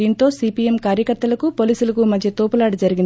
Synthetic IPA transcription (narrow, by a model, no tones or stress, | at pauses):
iːnt̪o̞ːsiːpiemkaːɾjɐkɐɾt̪ːɐlɐkupo̞ːliːsulɐkumɐd̪ʱjɐt̪oːpɐlaːɽud͡ʒɐɾiɡin